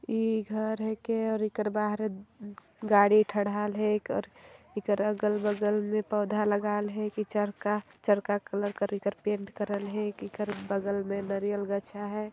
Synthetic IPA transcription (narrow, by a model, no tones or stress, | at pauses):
iɡʱəɾɦekeɔːɾikəɾbaɦɾ | ɡaɽiʈʰəɽaːlɦɛkɔ̰ːɾ | ikəɾəɡəlbəɡəlmẽpɔːd̪ʱaləɡaːlɦɛkit͡ʃəɾkat͡ʃəɽkakələɾkəɾikəɾpeɳʈkəɾəlɦɛkikəɾbəɡəlmenəɾijəlɡət͡ʃʰaɦɛː